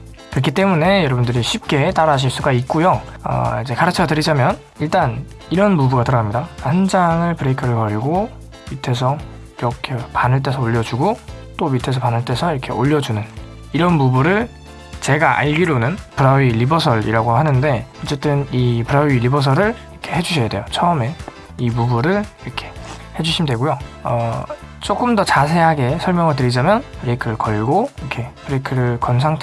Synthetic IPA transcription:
kɯɾʌkʰit͈e̞mune̞jʌɾʌbundɯɾiɕʰip̚k͈e̞t͈aɾaɕ̬ʰiɭs͈uɡait̚k͈ojoʌ̰id͡ʑe̞kaɾɯt͡ɕʰʌtɯɾid͡ʑamjʌn | iɭt͈an | iɾʌnmubuɡatɯɾʌamɲidakaand͡ʑaŋɯɭpɯɾeikʰɯɾɯɭkʌɾiɡo | mitʰe̞s̬ʰʌ | iɾʌkʰepanɯɭt̬͈e̞sʰʌoʎːʌd͡ʑuɡot͈omitʰe̞s̬ʰʌpanɯɭt͈e̞sʰʌiɾʌkʰe̞oʎːʌd͡ʑunɯn | iɾʌnmubuɾɯɭ | t͡ɕe̞ɡaʔa̰ɭɡiɾonɯnpɯɾailibʌsʰʌɾḭɾaɡohanɯnde̞ʌt͡ɕ͈e̞t͈ɯnipɯɾailibʌs̬ʰʌɾɯɭiɾʌkʰe̞he̞d͡ʑuɕʰʌjadwe̞jot͡ɕʰʌɯme̞ | imubuɾɯɭiɾʌkʰe̞̥ | he̞d͡ʑuɕʰimidweɡojoʌ | t͡ɕ͈ok͈ɯmdʌt͡ɕas̬ʰe̞ɦaɡe̞sʰʌɭmjʌŋɯɭtɯɾid͡ʑamjʌnpɯɾekʰɯɾɯɭkʌɭɡoiʌkʰe̞pɯɾekʰɯɾɯɭkʌnsʰaŋtʰ

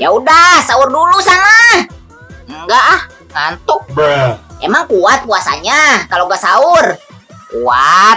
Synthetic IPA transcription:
jaudahsaurdulusanah | ŋɡaʔh | ŋant̪ɔk̚ | ḛmaŋkuat̪̚puasa̰ɲakaloɡasaur | kuat̪̚

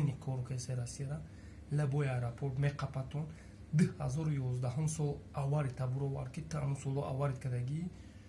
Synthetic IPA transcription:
nikʰɔɾkʰejseɾasiɾa | lɛbɔjajɾapʰoɾt̪meqʰapʰat̪ʰɔn | d̪ɨhhazɔɾujɔzd̪aɦumsɔlˠawaɾit̪ʰabuɾɔva̰ɾ̚kʰit̪ʰəamusɔlˠɔʔa̰waɾit̪̚kʰəd̪aɡi

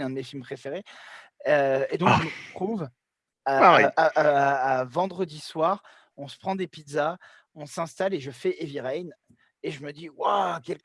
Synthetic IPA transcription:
ɛ̃d̪əmefilmpχefeʁe | øed̪ɔ̃kʒəməʁət̪χuv | aʁɛaː | vɑ̃d̪ʁəd̪iswaʁ | ɔ̃sə̥pχɑ̃d̪epid̪za | ɔ̃sɛ̃st̪aleʒəfɛʔeviʁɛjn | eʒəməd̪iwakʲɛlk

